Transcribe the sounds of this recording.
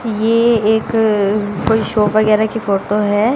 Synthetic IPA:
jeeːk | koːiʃoːpʋɐɡɛːɾakifoːʈoɦɛː

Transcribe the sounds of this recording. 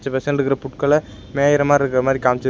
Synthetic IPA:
t͡ʃːɐpɛsɐnɾɯkːɪɾɐpʊʈkɐlɐ | meːjɪɾɐmaːɪɾɯkːɪɾɐmaːd̪ɾikaːmt͡ʃːɐ

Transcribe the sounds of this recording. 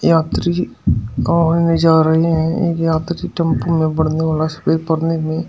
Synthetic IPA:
jaːt̪ɾi | ɔɪnẽd͡ʒaːɾɐɦeɦɛ̃eːkjaːt̪ɾiʈɐ̃mpumẽbɐɽ̤neʋaːlasɐ̥bepɐɾnemẽ

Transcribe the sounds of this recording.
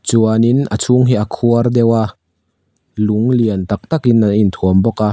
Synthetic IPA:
t͡suɐninət͡sʰuŋɦiʔakʰuɐrd̪ɛwa | luŋliənt̪ɐk̚t̪akinːaint̪ʰuɐmbɔka

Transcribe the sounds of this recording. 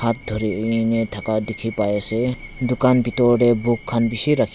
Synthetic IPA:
at̪̚d̪ʱɔɾinet̪ʰakad̪ikʰipajese | d̪ukanbit̪ɔɖebukʰːanbisiɾakʰ

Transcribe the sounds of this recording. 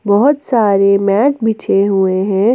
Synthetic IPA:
bɔɦʊt̪saːɾemɛːʈbit͡ʃʰeɦueɦɛ̃ː

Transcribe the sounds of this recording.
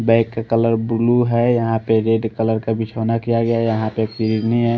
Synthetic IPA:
bɛ̃ɪkːekələɾbuluɦɛjəɦãpeɾeɖkələɾkabit͡ʃʰɦonakijaɡəjajəɦãpeksiɾiɾnĩɦɛ

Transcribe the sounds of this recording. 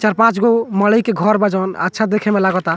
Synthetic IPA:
t͡ʃaɾpãt͡ʃɡomələjkeɡʱɔɾbəd͡ʒɔn̰ə̰tːʃʰad̪ekʰemelaɡɔt̪a

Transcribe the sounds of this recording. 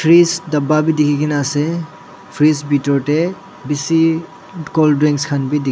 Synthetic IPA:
pʰɾisdɐbabidikʰikinase | pʰɾisbitɔɾte | bisi | kɔldɾiŋkskʰanbidi

